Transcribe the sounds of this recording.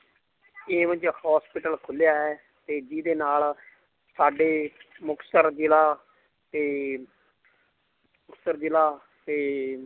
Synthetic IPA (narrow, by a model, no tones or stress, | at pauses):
eːʋə̃ɲd͡ʒhɔːspɪʈəlkʰʊljaːɛː | t̪eːd͡ʒiːd̪eːnaːl | saːɖeːmʊksəɾd͡ʒɪlaː | t̪eː | mʊksəɾd͡ʒɪlaː | t̪eː